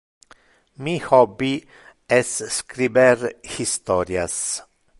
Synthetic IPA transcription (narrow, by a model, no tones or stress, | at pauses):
mihɔbːi | ɛsskɾibɛɾhist̪ɔɾjas